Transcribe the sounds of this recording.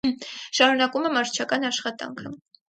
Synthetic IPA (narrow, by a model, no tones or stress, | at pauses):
ʃɑɾunɑkumɛmɑɾt͡ʃʰɑkɑnɑʃχɑt̪ɑ̰ŋkʰə